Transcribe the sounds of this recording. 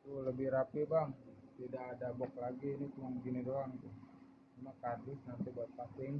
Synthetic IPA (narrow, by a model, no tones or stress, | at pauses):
t̪uləbɪhɾapibaŋ | t̪idakːdabɔk̚laɡinit̪umaŋɡinidoaŋt̪ʊ | amakardɪsnant̪ibuat̪̚pasɪŋ